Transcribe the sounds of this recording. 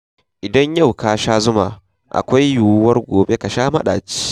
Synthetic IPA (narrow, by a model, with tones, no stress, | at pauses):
ʔɪ˨dɐ˦ɲja˦˨wkaː˦ʃaː˦zʊ˦ma˨ | ʔa̰˨kʷa˦jjuː˨˦wɐ˦rɡʷoː˨be˦ka˨ʃaː˦mɐ̰˦ɗa̰ː˨t͡ʃi̥˦